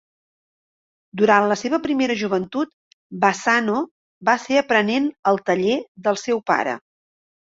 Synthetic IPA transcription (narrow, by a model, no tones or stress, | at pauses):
d̪uɾanləseβəpɾimeɾəʒuβənt̪ut̪ | basano | baseəpɾənenəlˠt̪əʎeðəlˠsɛwpa̰ɾə̰